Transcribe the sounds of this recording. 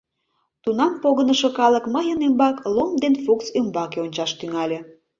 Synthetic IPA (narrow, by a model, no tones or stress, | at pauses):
t̪unɑmpoɣənəʃokɑlˠəkməjənembɑklomd̪enfuksømbɑkeonʲt͡ɕɑʃt̪yŋɑlʲe